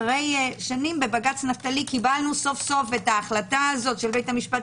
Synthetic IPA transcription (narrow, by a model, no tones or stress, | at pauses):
ʁejʃanimbebaɡat͡snaftalikibalnuso̞fso̞fetaːχlataːzo̞tʃelbe̞jtamiʃpa